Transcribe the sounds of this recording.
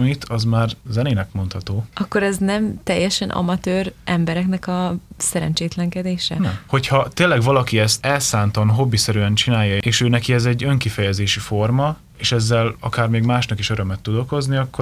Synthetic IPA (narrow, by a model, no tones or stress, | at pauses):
mit̪ʰɒzmaːrzɛneːnɛkmo̞nt̪hɒt̪oːʔɒkːo̞ɾɛznɛmt̪ɛjːɛʃɛnʔɒ̰mɒt̪øːrʔɛmbɛɾɛknɛkɒsɛɾɛ̰nt͡ʃeːt̪lɛŋkɛd̪eːʃɛ̰nɛho̞cʰhɒt̪eːnlːɛɡʋɒlɒkiɛst̪ɛlsaːnt̪ɒnɦo̞bːisɛɾyɛnt͡ʃinaːjːɒeːʃøːnɛkiɛzɛɟːøŋkifɛjɛzeːʃifo̞rmɒ | eːʃɛzːɛlɒ̰kaːrmeːɡmaːʃnɒkiʃø̞ɾømɛt̪ːud̪oko̞zniɒkːo